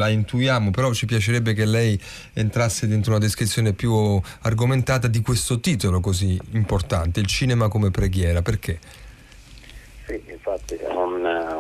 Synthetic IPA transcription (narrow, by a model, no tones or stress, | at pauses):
laint̪ujaːmopeɾɔt͡ʃːipjat͡ʃeɾɛbːekelːɛj | ent̪ɾasːed̪ent̪ɾounad̪iskɾit̪sːjoːnepju | arɡoment̪aːt̪ad̪ikwest̪ot̪iːt̪olokoziːmport̪a̰nt̪eilt͡ʃiːnemakomepɾeɡjɛːɾaperke | siiɱfat̪ːḭun